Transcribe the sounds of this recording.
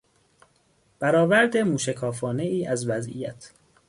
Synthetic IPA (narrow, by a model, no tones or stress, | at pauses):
b̥æɾɒːvæɾd̪emuːʃekʰɒːfɒːne̞iːʔæzvæzʔḭjæt̪ʰ